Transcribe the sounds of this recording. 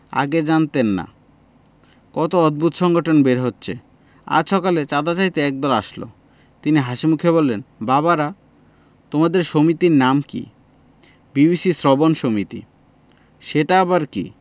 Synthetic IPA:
a̰ɡed͡ʑant̪enːa̰ | kɔt̪oɔd̪̚bʱut̪ʃɔŋɡoʈʰonbeɾɦotːɕʰe | a̰ɾʃɔkalet͡ɕad̪at͡ɕait̪eɛk̚d̪ɔɾaʃlo̰ | t̪iniɦaʃimukʰebolːenbaβaɾa | t̪omad̪eɾʃomit̪iɾnamkḭ | bibisisɾɔbonʃomit̪ḭ | ʃeʈaabaɾkḭ

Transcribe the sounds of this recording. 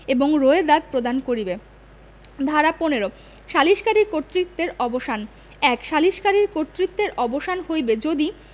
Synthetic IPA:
eboŋɾoed̪ad̪̚pɾod̪ankoɾibe | d̪ʱaɾaponeɾo | ʃaliʃkaɾiɾkoɾt̪ːɾit̪ːeɾɔboʃan | ɛkʃaliʃkaɾiɾkoɾt̪ːɾit̪ːeɾʔɔboʃanhojbed͡ʑod̪i

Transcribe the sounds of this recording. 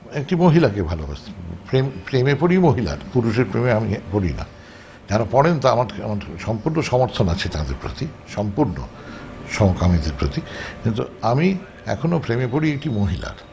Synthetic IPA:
ekʈimoɦilakebʱaloɦa̰sʰpɾempɾemepoɽimoɦila̰ɾpuɾuʃeɾpɾemeamipoɽḭna̰ | d͡ʑaɾopɔɽent̪aamaɾamaɾʃɔmpuɾnoʃɔmoɾt̪ʰonat͡ɕʰet̪ad̪ḛɾpɾo̰t̪i | ʃɔmpuɾno̰ | ʃɔmokamid̪eɾpɾot̪ikint̪uami | ɛ̰kʰonopɾemepoɽiek̚ʈimoɦila̰ɾ

